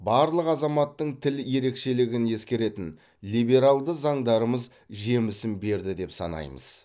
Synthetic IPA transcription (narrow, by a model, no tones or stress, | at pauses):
bɑɾlˠəqɑzɑmɑt̪ːəɴt̪ʰɪlje̞ɾe̞kʃe̞lɪɡʲɪnje̞skʲe̞ɾe̞t̪ɪn | lijbe̞ɾalˠd̪əzɑɴd̪ɑɾəməz | ʒe̞mɪsɪmbe̞ɾd̪ɪd̪e̞psɑ̰nɑ̰jmə̰z̥